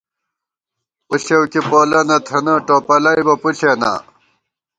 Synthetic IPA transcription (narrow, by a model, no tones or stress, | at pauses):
puɕewkipoːlɐnɐt̪ʰɐnɐʈoːpɐlɐjbɐpuɕena̰